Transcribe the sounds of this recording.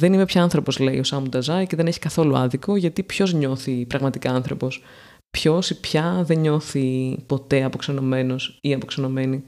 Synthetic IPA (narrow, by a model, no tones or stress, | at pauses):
ðe̞nime̞pçɐɐnθɾo̞po̞zle̞ḭosɐmud̪ɐzɐiceðe̞neçi̥kɐθo̞luɐ̰ðiko̞ʝɐt̪ipço̞zɲo̞θipɾɐɣmɐt̪ikɐɐnθɾo̞pos | pço̞sipçɐðe̞ɲo̞θipo̞t̪e̞ɐpo̞ksono̞me̞no̞siɐpo̞kso̞no̞me̞ni